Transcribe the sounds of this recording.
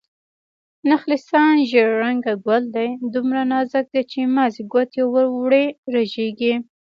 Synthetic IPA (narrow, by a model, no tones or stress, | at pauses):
naxlɪsɑnʒeɾːaŋɡaɡwald̪ajd̪umɾanɑzak̚d̪ajt͡ʃemɑziɡwat̪jawəwɽeɾaʒeɡi